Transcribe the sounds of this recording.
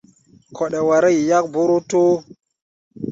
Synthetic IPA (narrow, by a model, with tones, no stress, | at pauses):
kʰo˨ɗe˨wa˨ɾa˦ji˨ja˦k̚bu˦ɾu˦to˦